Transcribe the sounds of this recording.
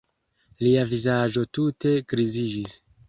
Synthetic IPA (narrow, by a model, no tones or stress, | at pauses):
liavizad͡ʒo̞tute̞kɾizid͡ʒis